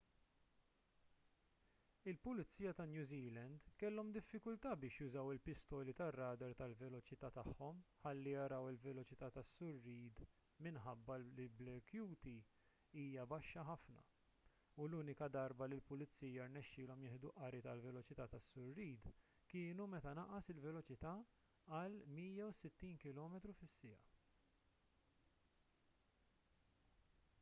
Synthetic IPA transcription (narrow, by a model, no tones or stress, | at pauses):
ɪlpʊlɪt͡sːiːjɐt̪ɐnjuːziːlɛnd̪kɛlːɔmd̪ɪfːɪkʊlt̪ɐːbɪːʃjʊzɐwɪlpɪst̪ɔːlit̪ɐrːɐːd̪ɐɾt̪ɐlvɛlɔt͡ʃɪt̪ɐːt̪ɐħːɔmħɐlːijɐɾɐwɪlvɛlɔt͡ʃɪt̪ɐːt̪ɐsːʊɾːiːd̪ | mɪnħɐbːɐllɪlblɛkjuːt̪i | iːjɐbɐʃːɐħɐfnɐ̰ | uluːnɪkɐd̪ɐɾbɐlɪlpʊlɪt͡sːiːjɐɾnɛʃːɪːlɔmjɪːħd̪uʔɐɾɪt̪ɐlvɛlɔt͡ʃɪt̪ɐt̪ɐsːʊɾːiːd̪ | kɪːnumɛt̪ɐnɐʔɐsɪlvɛlɔt͡ʃɪt̪ɐ | ɐlmiːjɐwsɪt̪ːiːnkɪlɔːmɛt̪ɾufɪsːɪjɐ